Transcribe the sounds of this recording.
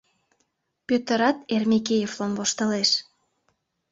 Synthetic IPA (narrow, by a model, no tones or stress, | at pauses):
pøt̪ə̆ɾɑt̪ermʲekejevlomvoʃt̪ə̆leʃ